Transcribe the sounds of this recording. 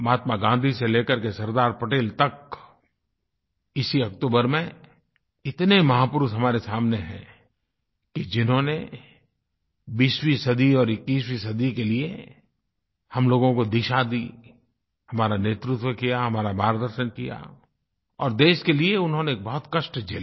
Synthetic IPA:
maːt̪maɡãːnd̪ʱiseleːkəɾkesɐɾd̪aːɾpɐʈeːlt̪ɐk | ɪsiɐkt̪oːbəɾmẽ | ɪt̪nemɐɦaːpʊɾʊt̪ɦɐmaːɾesaːmneɦɛ̰̃ː | kid͡ʒɪnɦõne | biːʃwisɐd̪iɔːɾɪkːiːswisɐd̪ikelie | hɐmloːɡõkod̪ɪʃad̪i | hɐmaːɾaneːt̪ɾʊt̪wəkijaɦɐmaːɾabaːɾd̪əɾʃənkija̰ | ɔːɾd̪eːʃkelieʊnɦõneːk̚bɐɦʊt̪kɐʃʈd͡ʒeːl

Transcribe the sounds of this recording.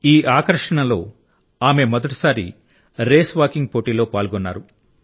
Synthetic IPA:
iːʔaːkɐɾʂɐɳɐlo̞ː | aːme̞mɔd̪ɐʈi̥saːɾḭ | ɾeːsʋaːkiŋɡ̚po̞ːʈiːlo̞ːpaːlɡɔnːaːɾu

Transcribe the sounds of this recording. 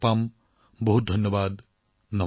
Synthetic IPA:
pam | bɔɦut̪̚d̪ʱʌnjɔbad̪ | nɔ

